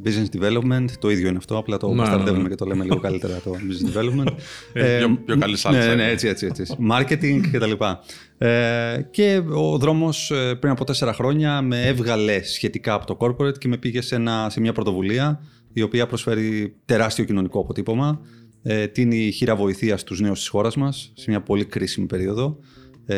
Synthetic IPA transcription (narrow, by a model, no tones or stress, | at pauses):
biznesd̪ive̞lopme̞nt̪ːo̞iðʝo̞ineɐft̪o̞ɐplɐt̪o̞mɐst̪ɐɾðe̞vumecet̪o̞lemeliɣo̞kɐlit̪e̞ɾɐt̪obiznesd̪ivelopment̪ | oɐlisneneet͡sie̞t͡siet͡sismɐɾce̞t̪iŋɡcet̪ɐlipɐ | ece̞oðɾo̞mo̞sepɾinɐpo̞t̪e̞se̞ɾɐxɾo̞ɲɐme̞evɣɐle̞sçe̞t̪ikɐːpo̞t̪o̞ko̞ɾpoɾet̪ce̞me̞piʝe̞se̞nɐse̞mɲɐpɾo̞t̪o̞vuliɐ | io̞piɐpɾo̞sfe̞ɾit̪e̞ɾɐst̪io̞cino̞nikoɐpo̞t̪ipo̞mɐ | et̪iiniçiɾɐvo̞iθiɐst̪uzne̞ust̪i̥sxo̞ɾɐzmɐsːe̞mɲɐpo̞likɾisimipe̞ɾio̞ðo̞